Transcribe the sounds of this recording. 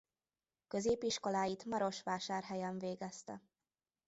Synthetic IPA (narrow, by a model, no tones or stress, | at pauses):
kø̞zeːpiʃko̞laːjit̪mɒɾo̞ʃʋaːʃaːrɦɛjɛɱveːɡɛst̪ɛ̰